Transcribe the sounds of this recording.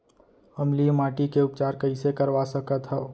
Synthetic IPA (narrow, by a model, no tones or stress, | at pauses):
əmlimaːʈikeʊpt͡ʃaːɾkəɪsekəɾʋasəkət̪ɦɛː